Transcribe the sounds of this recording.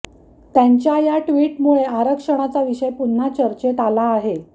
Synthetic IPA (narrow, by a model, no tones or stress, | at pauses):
t̪jaɲt͡ɕjajaʈʋiːʈmuɭeaɾəkʂəɽ̃at͡saʋiʂəjpun̤ːat͡ɕəɾt͡ɕet̪alaːɦe